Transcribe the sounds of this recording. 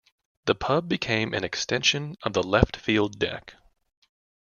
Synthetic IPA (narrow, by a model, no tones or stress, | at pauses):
ððɨpʰʌbɨkʰẽɪ̃mʔɨ̰̃nɨkstɛ̃nʃɨ̃nʌvðəlɛftfilˠdɛ̰k